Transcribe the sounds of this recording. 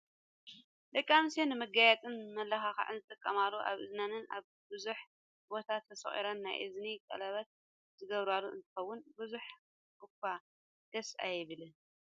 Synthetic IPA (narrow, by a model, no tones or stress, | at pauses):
lɐkʼːamsenɨmɐɡajɛt̪ʼɨnmɐlːɐxaxa̰ʕɨnzɨt̪ʼɨkʼːɐmalːuʔa̰βɨznanɨna̰β | bɨzuħ | bo̞t̪ʰat̪ʰːɐsɐ̰χʼḭɾɐnːa̰jʔɨ̰znikʼɐ̰lɐβɐt̪̚ | z̥ɨɡɐβɾaluʔɨ̰nt̪ʰɨ̥xɐwːʊnbɨzuħ | kɨkːa | d̪̥ɐsa̰jɪβɨlɨ